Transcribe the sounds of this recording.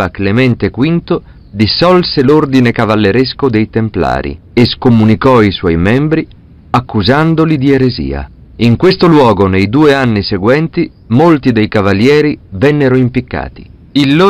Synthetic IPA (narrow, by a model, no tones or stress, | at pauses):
aklemɛnt̪ekwint̪o | d̪isːɔlselord̪inekavalːeɾeskod̪ejt̪empla̰ːɾḭ | eskomunikɔiswɔjmɛmbɾi | akːuzand̪olid̪ieɾezḭːa̰ | iŋkwest̪olwɔːɡonejd̪uːeanːiseɡwɛnt̪i | molt̪id̪ejkavaljɛːɾivɛnːeɾoimpikːa̰ːt̪i̥̰ | ilːo